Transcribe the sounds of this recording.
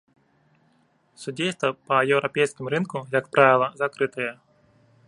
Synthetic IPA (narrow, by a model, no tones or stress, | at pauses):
sʊdʲejst̪ʋɐpɐjɛwɾʔɐpʲɛjsʲkʲɪmʊɾɪnkʊjɐkpɾʔɑʋʲɪlˠɐzɐkɾɪt̪ɪjɛ